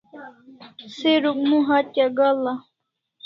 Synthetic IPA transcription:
siɾukmũɦat̪jaɡala

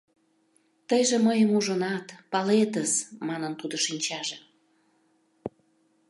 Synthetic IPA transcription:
t̪əjʒeməjəmuʒənɑt̪pɑlet̪əsmɑnənt̪ud̪oʃinʲt͡ɕɑʒe

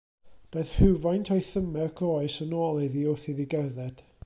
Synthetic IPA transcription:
b̥eːθhɪwvajntʰɔjθəmɛrɡʰɔɨsənɔːlˠɪðiʊθiðiɡɛrðɛd̥

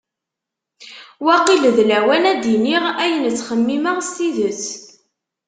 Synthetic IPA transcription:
wæqilðlæwænæd̪iniʁæjənt͡sːχəmːiməʁst̪iðət͡sː

